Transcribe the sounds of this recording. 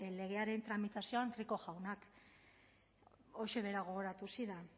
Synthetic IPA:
le̞ɣ̞e̞aɾe̞nt̪ɾamit̪asio̞ant̪riko̞ʝawnak | o̞ʃe̞β̞eɾaɣ̞o̞ɣoɾat̪usiða

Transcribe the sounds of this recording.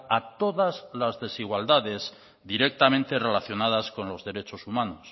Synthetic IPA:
at̪o̞ðazlazðe̞siɣwald̪aðe̞z | ðiɾe̞k̚t̪amẽnt̪e̞re̞laθjo̞nað̞asko̞nlo̞zðe̞ɾe̞t͡ʃo̞sumanos

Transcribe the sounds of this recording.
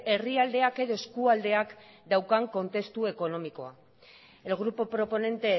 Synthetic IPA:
e̞riald̪eake̞ðo̞e̞skuald̪e̞akd̪awkaŋko̞nt̪e̞st̪ue̞ko̞no̞miko̞a̰ | e̞lɣ̞ɾupopɾo̞po̞ne̞nt̪e̞

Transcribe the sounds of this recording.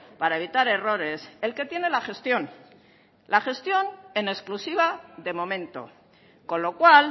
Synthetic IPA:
paɾae̞β̞it̪aɾe̞ro̞ɾe̞se̞lke̞t̪je̞ne̞laχe̞st̪jo̞n | laχe̞st̪jo̞nene̞sklusiβ̞aðe̞mõ̞mẽ̞nt̪o̞̰ | ko̞nlo̞kwal

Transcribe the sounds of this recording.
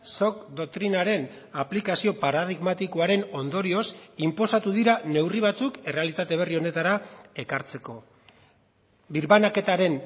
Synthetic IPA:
so̞kd̪o̞k̚t̪ɾinaɾe̞n | aplikasio̞paɾað̞iɣmat̪iko̞aɾe̞no̞nd̪o̞ɾio̞simpo̞sat̪uðiɾane̞wriβ̞at͡suke̞re̞alit̪at̪e̞β̞e̞rio̞ne̞t̪aɾae̞kaɾt͡se̞ko̞ | biɾβanake̞t̪aɾe̞n

